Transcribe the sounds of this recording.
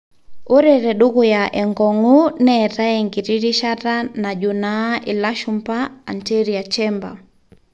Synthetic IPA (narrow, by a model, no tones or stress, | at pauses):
oɾɛɾɛɗukujaʔɛŋɡɔŋunɛtaɛŋɡiɾiɾiʃatanad͡ʒunaʔilaʃumpa̰ːnteɾiat͡ʃɛmba̰